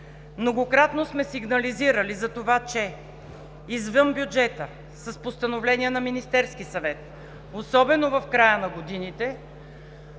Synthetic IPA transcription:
mnoɡokɾat̪nosmɛsiɡnɐliziɾəlizɐt̪ovat͡ʃɛ | izvɤmbjud͡ʒɛt̪ə | sɐspost̪ɐnovlɛniɛnɐminist̪ɛɾskisɐvɛt̪̚ | osɔbɛnovɐfkɾajənɐɡod̪init̪ɛ

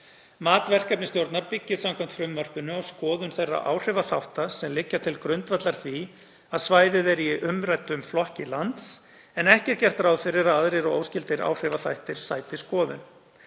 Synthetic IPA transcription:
maːt̪vɛr̥kap̚nɪst̪jowɾt̪naɾpɪcːɪðsamkʰam̥t̪fɾʏmvœr̥pʏnʏawskɔːðʏnθejrːa̰ʔa̰ːwr̥ɪvaθawht̪asɛmlɪcːat̪ʰɪlkɾʏnt̪vat̪laɾ̥θvi | aðsvaːjðɪðɛɾiɪʔʏmɾajt̪ːʏmflɔhcɪlant̪s | ɛnɛhcɛɾ̥cɛr̥t̪ɾawðfɪɾɪɾaðaðɾejɾɔo̰wscɪlt̪ɪɾa̰ːwr̥ɪvaθajht̪ɪɾ̥saːjt̪ɪskɔːðʏ̰n

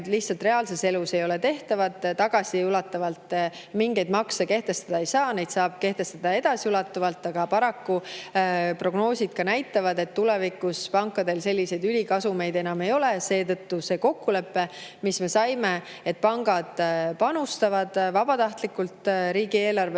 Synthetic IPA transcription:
t̪liht̪sɑlt̪re̞ɑːlse̞se̞luse̞jo̞lɛt̪e̞ht̪ɑvɑt̪ːˑt̪ːɑɡ̥ɑsiulɑt̪ːˑɑvɑlt̪miŋɡe̞jd̪mɑkseke̞ht̪e̞st̪ɑd̪̥ɑe̞jsɑːne̞jd̪̥sɑːb̥̚ke̞ht̪e̞st̪ɑd̪̥ɑe̞d̪̥ɑsiulɑt̪ːˑɑvɑlt̪ːˑɑɡ̥ɑpɑɾɑkːu | pro̞ɡ̥no̞ːsʲid̪̥̚kɑnæjt̪ːˑɑvɑd̪e̞t̪ːulɛvikːuspɑŋkːˑɑd̪e̞lse̞lʲːise̞jd̪ylʲikɑsume̞jd̪e̞nɑme̞jo̞lese̞ːt̪ɤ̞t̪ːuse̞ːko̞kːule̞pːe̞misme̞sɑjme̞ | et̪̚pɑŋɡɑd̪̥pɑnust̪ɑvɑd̪̥vɑb̥ɑt̪ɑht̪likːˑult̪ɾiːɡ̥ie̞ːlɑrve

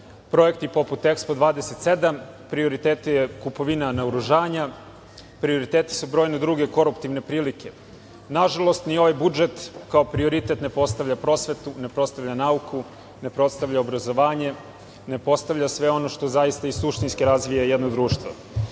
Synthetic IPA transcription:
pɾo̞e̞kt̪ipo̞put̪ekspo̞d̪ʋaːd̪ese̞t̪se̞d̪am | pɾio̞ɾit̪eːt̪ejekupo̞ʋinanaoɾuʒaːɲa | pɾio̞ɾit̪eːt̪i̥subɾojned̪ɾuɡe̞ko̞ɾupt̪iʋne̞pɾiːlikʰe̞ | naʒalo̞st̪nio̞ʋajbud͡ʒe̞t̪kaopɾio̞ɾit̪e̞t̪ne̞po̞st̪aʋʎapɾo̞sʋe̞t̪une̞pɾo̞st̪aʋʎanaukʰu | ne̞pɾo̞t̪st̪aʋʎʲaobɾazo̞ʋaːɲe̞ | ne̞po̞st̪aʋʎasʋe̞o̞no̞ʃt̪o̞zaist̪aisuʃt̪inskiɾazʋijajed̪no̞d̪ɾuːʃt̪ʋo̰

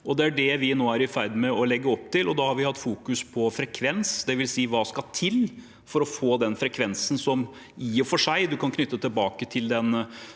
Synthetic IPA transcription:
ɔd̪ɛæɖɛʋɪnoːæɾɪfæɪɾd̪mɛɔlɛɡːəɔpːt̪ʰɪlʔɔd̪ɑhɑɾʋɪhɑt̪ːfuːkʉspʰɔfɾɛkʰʋɛnsd̪ɛʋɪlsiːʋɑːskɑt̪ʰɪl | fɔɾɔfoːd̪ɛnfɾɛkʰʋɛnsən̩sɔm | iːɔfɔʂæɪd̪ʉkɑnkʰnʏt̪ːət̪ʰəlbɑːkət̪ʰɪld̪ɛn

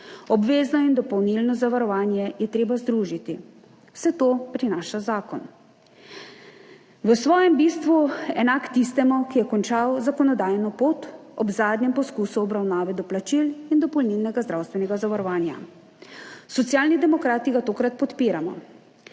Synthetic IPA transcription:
ɔbʋeːznɔind̪ɔpɔwnilnɔzaʋaɾɔʋaːnjɛjɛt̪ɾeːbazd̪ɾuːʒit̪i | sɛt̪oːpɾinaːʃazaːkɔn | ʋəsʋɔːjɛmbist̪ʋuɛnakt̪ist̪ɛmukijɛkɔnt͡ʃawzakɔnɔd̪aːjnɔpoːt̪ɔbzaːd̪nʲɲɛmpɔskusuɔbɾawnaːʋɛd̪ɔplat͡ʃilind̪ɔpɔlnilnɛɡazd̪ɾawst̪ʋɛnɛɡazaʋaɾɔʋaːnja̰ | sɔt̪sjaːlnid̪ɛmɔkɾaːt̪iɡat̪oːkɾat̪̚pɔt̪piːɾamɔ̰

